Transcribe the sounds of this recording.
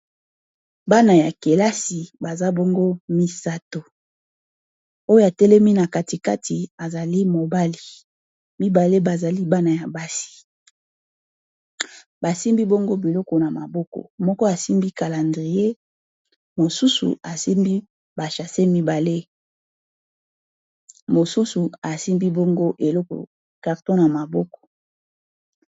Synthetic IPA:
ba˦na˨ja˨ke˨la˦si˨ba˨za˦bɔ˦ŋɡo˦mi˦sa˦to˨ | o˦jo˦a˨tɛ˦lɛ˦mi˦na˨ka˨ti˨ka˦tʰi˨a˨za˨li˦mo˨ba˦li˨ | mi˦ba˨le˦ba˨za˨li˦ba˦na˨ja˨ba˦si̥˨ | ba˨si˦mbi˦bo˦ŋɡo˦bi˨lɔ˦kɔ˨na˨ma̰˨bɔ˦kɔ̰˨mɔ˦kɔ˦a˨si˦mbi˦ka˨la˨ndʁi˨e˦ | mo˨su˦sṵ˨a˨si˦mbi˦ | ba˨ʃa˨se˦mi˦ba˨le˦ | mo˨su˦su˨a˨si˦mbi˦bo˦ŋɡo˦ʔe˨lɔ˦kɔ̰˨ | ka˨ʁtõ˦na˨ma˨bɔ˦kɔ̥˨

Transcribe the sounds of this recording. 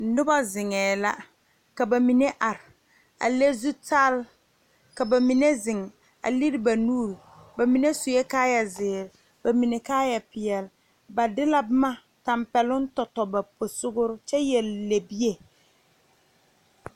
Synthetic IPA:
nʊ˦ba˦zɪ˨ŋɛː˨la˦ | ka˨ba˨mi˨ne˦ʔa˨ɾɪ˨ | a̰˨le˦zu˦ta˦l | ka˨ba˨mi˨ne˦zɪ˨ŋ | a̰˨li˦ɾi˦ba˨nuː˦ɾ | ba˨mi˨ne˦sʊ˨jɛ˦kaː˦ja˨zɪː˨ɾɪ˨ | ba˨mi˨ne˨kaː˦ja˨pɪ˨jɛ˨l | ba˨dɪ˦la˦bʊ˦ma˦ | ta˨mpɛ˨lʊ˦n̩˦tɔ˨tɔ˨ba˨po˨sʊ˦ɡʊ˦ɾʊ˦t͡ʃɛ˦jɛ˨lːe˨bi˦e˨

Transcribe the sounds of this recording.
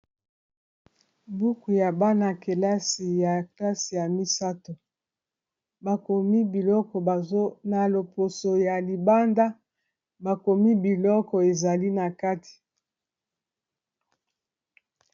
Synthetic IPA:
bu˦ku˨ja˨ba˦na˨ke˨la˦si˨ja˨kla˦si˨ja˨mi˦sa˦to˨ | ba˨ko˨mi˦bi˨lɔ˦kɔ˨ba˨zo˦na˨lo˨po˨so˨ja˨li˨ba˦nda˦ | ba˨ko˨mi˦bi˨lɔ˦kɔ˨e˨za˨li˦na˨ka˦ti̥˨

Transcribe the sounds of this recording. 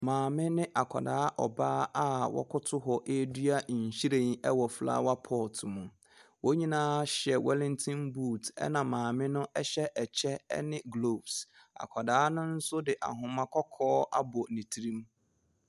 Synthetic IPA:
mãː˨mɪ̃˦nɪ̃˦ʔa˨kʰɔ̰˨daː˨˦ʔɔ˨baː˦a˦wɔ̰˦kʰʊ˦tʰʊ˦ɦɔ˨ʔe˦dɥa˦˨ɲ̩˨ɕi˦ɾẽ˨n˦ɛ˦wɔ˨fla̰ː˦wa˦pʰɔ˦˨tʰmũ˨ | wo˦ɲĩ˦nãː˦ɕɛ˨wɛ˦lɪ̃˦ntʰĩ˦nbuː˦˨tɛ̰˦nã˨mãː˨mɪ̃˦nʊ̃˦ʔɛ˦ɕɛ˦ʔɛ˨t͡ɕʰɛ˦ɛ̰˦nɪ̃˦ɡlo˨bs | a̰˨kʰɔ˨daː˨˦nʊ̃˦n̩˦sʊ˦dɪ˨ʔa̰˨ɦʊ̃˨mã˦kʰɔ˦kʰɔː˦a̰˦bʊ˨nĩ˨tʰi˦ɾĩ˦m

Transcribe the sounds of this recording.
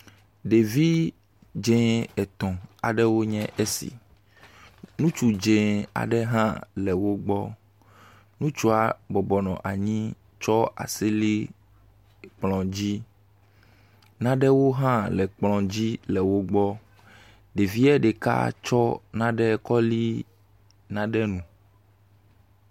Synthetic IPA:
ɖe˨vi˦ | d͡ʒẽ˦ɛ˨t̪ɔ̃˨a˨ɖɛ˦wo˦ɲɛ̃˦ʔe˦sḭ˨ | nũ˦t͡ʃu˨d͡ʒẽ˨a̰˨ɖɛ˦ɦã˦lɛ˨wo˦ɡ͡bɔ˦ | nũ˦t͡ʃu˦a˨bɔ˨bɔ˨nɔ̃˨ʔa˨ɲĩ˦ | t͡ʃɔ˦a̰˨si˦li˦ | k͡plɔ̃˨d͡ʑi˦ | nã˦ɖɛ˦wo˦ɦã˦lɛ˨k͡plɔ̃˨d͡ʑi˦lɛ˨wo˦ɡ͡bɔ˦ | ɖe˨vi˦ɛ˦ɖe˨ka̰˦t͡ʃɔ˦nã˦ɖɛ˦kɔ˦li˦ | nã˦ɖɛ˦nũ˨

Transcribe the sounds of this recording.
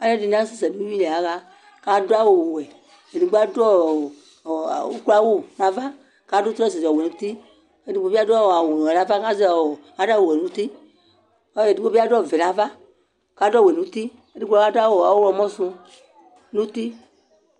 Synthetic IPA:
a˨˦ne˦di˨n˦a˦se˨sɛ˨nũ˦wĩ˦le˨a˨˦ɣa˦ | ka˦do˦a˦wo˨wwɛ˨ | e˨ni˨ɡ͡ba˦dɔ˦˨ | wo˦kla˦wo˦nã˨va˦ | ka˦do˦t̪ɾɔ˦s̬e˨zɔ˨e˨nũ˨˦t̪i˦ | e˨di˨˦ɡ͡bo˦i˦a˦dɔ˦˨a˨wo˨nũ˨e˨nã˦va˦ka˦ze˦˨a˦da˦wo˨we˨nũ˦t̪i˦ | e˨di˦o˦vi˦a˦dɔ˦˨ve˨nã˨va˦ | ka˦dɔ˦˨we˨nũ˨˦t̪i˦ | e˨˦di˦ɡ͡bla˦a˦da˦wo˨a˨wlɔ˨mɔ̃˦sũ˧ | nũ˦t̪i˦

